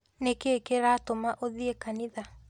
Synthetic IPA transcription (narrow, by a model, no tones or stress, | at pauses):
nekeːkeɾatomaʔoðiekaniða